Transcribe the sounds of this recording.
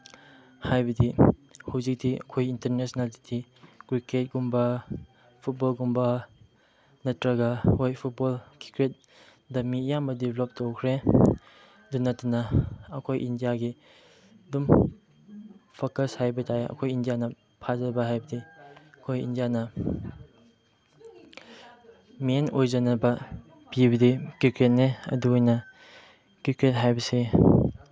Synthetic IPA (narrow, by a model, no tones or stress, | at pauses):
hajbɐdihawzik̚diɐ̰kʰojintɐɾnesnalditʰiɡ̥ɾiket̚ɡumbɐ | pʰut̚bolɡumbɐ | nɐtɾɐɡɐhojpʰut̚bolkʰi̥kɾet̚ | dɐmijambɐdiblop̚towkʰɾe | dunːɐtːɐnɐɐkʰojʔindijaɡi | dum | pʰokɐshajbɐtʰaeɐ̰kʰojindijanɐ | pʰazɐbɐɦajbɐdiɐkʰojḭndijanɐ | menojzɐnɐbɐ | pibɐdikɾiket̚neɐ̰duojnɐ | kɾiket̚ɦajbɐse